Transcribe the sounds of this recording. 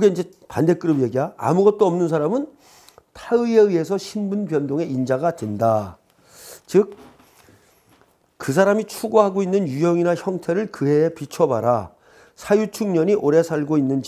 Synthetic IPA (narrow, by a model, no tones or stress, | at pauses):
ɯɡe̞ind͡ʑe̞ | pande̞k͈ɯɾɯbije̞ɡiɦaa̰muɡʌt̚t͈oʌmnɯns̬ʰaɾamɯn | tʰaɯe̞ɯe̞sʰʌɕʰimbunpjʌndoŋe̞ind͡ʑaɡadwenda | t͡ɕɯk̚ | kɯs̬ʰaɾamit͡ɕʰuɡoɦaɡoinːɯnjujʌŋinaçjʌŋtʰe̞ɾɯɭkɯɦe̞ːpit͡ɕʰʌbaɾa | sʰajut͡ɕʰuŋɲʌɲiʔoɾe̞sʰaɭɡoinːɯnd͡ʑ